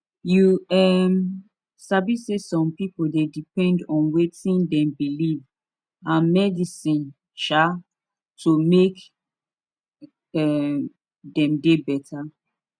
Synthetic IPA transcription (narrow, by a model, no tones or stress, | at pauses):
juɛm | sabisesɔ̃mpipoldedipɛ̃ndɔ̃nwetĩndɛ̃mbiliv | ãnmɛdisĩn | ʃa | tʰomek | ɛm | dɛ̃mdebɛtʰa